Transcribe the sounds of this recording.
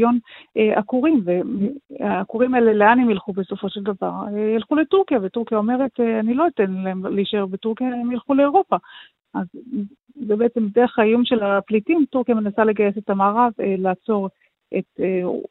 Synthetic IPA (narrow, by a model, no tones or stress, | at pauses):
jonʔakuʁimvemakuʁimaeleleanemilχube̞so̞fo̞ʃeldavaʁejilχuletuʁkijavetuʁkijao̞me̞ʁe̞tanilo̞itenlemleiʃeʁbetuʁkijaemjilχule̞oʁo̞pa | ʔaz | zebeet͡se̞mde̞eχhajumʃe̞laplitimtuʁkijame̞nasale̞ɡaje̞setamaːʁavlaːt͡so̞ʁ | ʔete